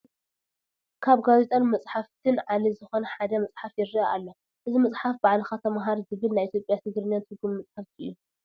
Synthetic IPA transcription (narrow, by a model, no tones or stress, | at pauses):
kʰaβɡazet̪ʼɐnmɐt͡sʼħaft̪ʰɨnʕalizɨxonɐħad̪ɐmɐsʼħafjɪɾiaʔalːo | ʔɨzimɐt͡sʼħafbaʕlɨxat̪ʰɐmɦaɾzɨβɨlnajʔit̪ʰjopʼjat̪ʰɨɡɾɨnjant̪ʰɨɡumːmɐt͡sʼħaft̪ʰiʔɨ̰jːu